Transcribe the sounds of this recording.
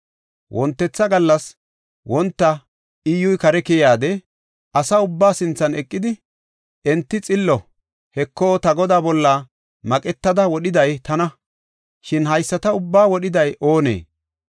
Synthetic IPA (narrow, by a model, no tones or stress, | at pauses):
wʔɔnt̪ːɛt͡sːɐɡɐlːɐs | wʔɔnt̪ːɐ | ɪjʊjkɐɾɛkɛjaːd̪ɛ | ɐsaʊbːaːsɪnt͡sːɐnɛkʼːɪd̪ɪ | ʔɛnt̪ːɪt͡sʼɪlːɔ | hɛkʰːoːt̪ɐɡɔd̪aːbɔlːɐ | mɐkʼɛt̪ːɐd̪ɐwɔɗɪd̪ɐjt̪ɐnɐ | ʃɪnɦɐjsːɐt̪ɐʊbːaːwɔɗɪd̪ɐjʔoːnḛː